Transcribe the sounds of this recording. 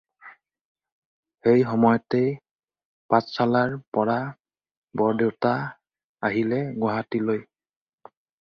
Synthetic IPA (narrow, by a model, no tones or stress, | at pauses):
xejxɔmɔjɔtej | pãt͡ssalaɹpɔɹa | bɔɹdewta | aɦilɛɡwaɦatiloj